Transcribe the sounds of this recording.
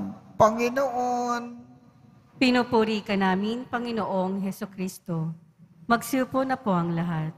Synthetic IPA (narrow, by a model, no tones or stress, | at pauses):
pɐŋɪnoʔon | pɪnupuɾiːkɐnaːmɪnpɐŋɪnoʔo̞ŋɦɛsʊkɾiːst̪o̞ | mɐɡsuːponːɐpoʔɐŋlɐɦat̪̚